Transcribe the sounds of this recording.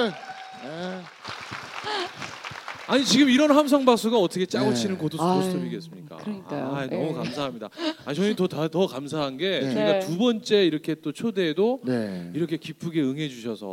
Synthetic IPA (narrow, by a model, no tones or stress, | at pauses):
e | aɲit͡ɕiɡɯmiɾʌnɦams̬ʰʌŋbak̚s͈uɡaʌt͈ʰʌkʰet͡ɕ͈aɡot͡ɕʰinɯnkotʰosʰoss͈ʰʌmiɡe̞s͈ɯmɲik͈a̰kːnʌmukamsʰaɦamɲida̰at͡ɕʰʌɲitʌtatʌkams̬ʰaɦanɡe̞t͡ɕʌiɡatubʌnt͡ɕ͈e̞iɾʌkʰe̞t͈ot͡ɕʰode̞doneiɾʌkʰe̞kipʰuɡe̞ɯŋɦe̞d͡ʑuɕʰʌsʰʌ